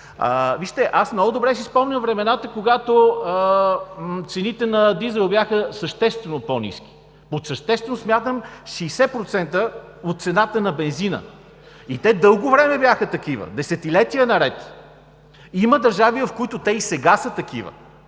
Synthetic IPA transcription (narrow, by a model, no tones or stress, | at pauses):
əviʃt̪ɛʔasmnɔɡʊd̪obɾɛʃispɔmnʲəvɾɛmɛnat̪əkoɡat̪oə | t̪sɛnit̪ɛnɐd̪izɛlˠbjaxəsəʃt̪ɛst̪vɛnopɔnḭsk̟i̥ | posəʃt̪ɛst̪vɛnosmjat̪əmʃiːsɛpɾot̪sɛnt̪ə | ot̪̚t̪sɛnat̪ənɐbɛnzinə̰ | it̪ɛd̪ɤlˠɡovɾɛmɛbjaxət̪ɐkivə̰d̪ɛsɛt̪ilɛt̪iənɐɾɛt̪ | iməd̪ɐɾʒavivɐfkoit̪ʊt̪ɛisɛɡasət̪ɐk̟ivə̰